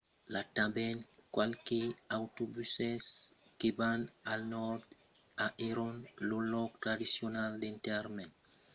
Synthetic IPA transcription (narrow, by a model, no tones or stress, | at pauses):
lat̪abɛnkwalkeawt̪obysɛs | kebanalnɔɾd̪ | aʔeɾɔnlolɔk̚t̪ɾadisjonald̪ent̪ɛɾmen